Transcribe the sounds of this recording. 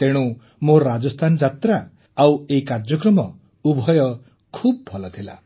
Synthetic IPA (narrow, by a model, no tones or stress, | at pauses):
t̪eɽ̃u | moɾad͡ʒɔst̪ʰanɔd͡ʒat̪ɾa | aweikaɾd͡ʒɔkɾɔmɔ | ubʱɔjɔ | kʰub̚ɔbʱɔlɔt̪ʰila̰